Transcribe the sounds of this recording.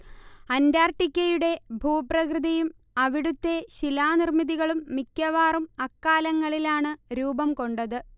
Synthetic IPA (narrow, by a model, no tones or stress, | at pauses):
ɐndaːrʈikʲːɐjuɽe̞bʱuːprɐkrɨðɐjum | ɐʋiɽut̪ːe̞ɕilaːnirmiðiɣɐɭumːikʲːɐʋaːrumɐkːaːlɐŋːɐɭilaːɳɨɾuːbɐmko̞ɳɖɐðɨ